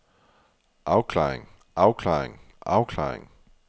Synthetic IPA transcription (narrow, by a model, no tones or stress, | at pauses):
ʔɑ̈ʊkʰlɑ̰̈ːeŋ | ʔɑ̈ʊkʰlɑ̰ːeŋ | ʔɑ̈ʊkʰlɑ̰̈ːḛŋ